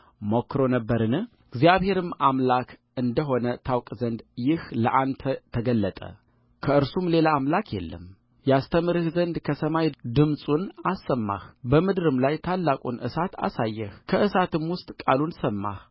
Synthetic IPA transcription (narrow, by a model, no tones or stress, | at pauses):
mokːɾo̞nəbːəɾɨnɨ | ɡzijaβhe̞ɾɨmamlakʰʔɨnd̪əɦo̞nət̪ʰawkʼzənd̪jɪhləʔand̪t̪ʰət̪ʰəɡəlːət̪ʼə̰ | kʰəɨɾsumle̞laːmlakʰjɛ̰lːə̰m | jast̪ʰəmɨɾɨhzənd̪kʰəsəmajd̪ɨmsʼunasːəmːa̰hbəmɨd̪ɾɨmlajt̪ʰalːakʼunʔɨ̰sat̪a̰sajːɛhkʰəʔɨsat̪ɨmwʊst̪ʼkʼalunsəmːa̰h